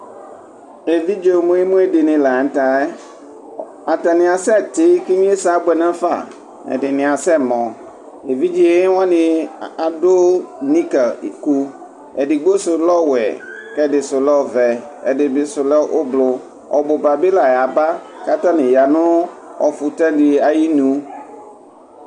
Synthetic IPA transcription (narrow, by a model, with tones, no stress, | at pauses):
e˨vi˦d͡ʒe˦˨mũ˦e˦mũ˦e˦dɪ˨nɪ̃˨la˨ŋ̩˨˦t̪a˨ɛ˦ | a˨t̪a˨nɪ̃˨a˨sɛ˦˨t̪ɪ˦ki˦ɲ̃˦e˦sa˦bɛ˨nã˦fa̰˦˨ | ɛ̰˨dɪ˨nɪ̃˨a˨sɛ˦˨mɔ̃˨ | e˨vi˦d͡ʒi˦e˦wã˦nɪ̃˨a˨do˦nĩ˦kɛ˨ḭ˨ku˦ | ɛ˨ɖɪ˨ɡ͡bo˦sʊ˨lɔ˦wɛ̰˨kɛ˦dɪ˨sʊ˨lɔ˦˨vɛ˨ɛ̰˨dɪ˨bɪ˨sʊ˨lɛ˦ʔo˦blʊ˨ | ɔ̰˨bo˨ba˨be˦la˨ja˨ba˦ka˦t̪ã˦nɪ̃˨ja˨nʊ̃˦ɔ˨fu˨t̪ɛ˦di˨a˨ji˦nũ˦